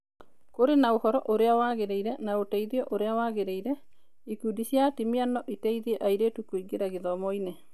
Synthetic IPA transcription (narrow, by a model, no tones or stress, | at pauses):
koɾenaohɔɾɔʔoɾeawaɣeɾeiɾɛnaotɛiðjɔʔoɾeawaɣeɾeiɾɛ | ikudiɕjatimianɔʔitɛiðiɛʔaiɾetukwiɡeɾaɣeðɔmɔine